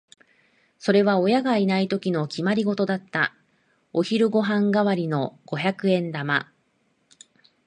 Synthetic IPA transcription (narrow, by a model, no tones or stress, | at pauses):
so̞ɾe̞β̞ao̞jaɡainait̪o̞kʲino̞kʲimaɾʲiɡo̞t̪od̪at̪ːa | o̞çiɾɯ̟ɡo̞ɦãŋɡaβaɾʲino̞ɡ̥o̞çakɯ̟ẽ̞nd̪ama̰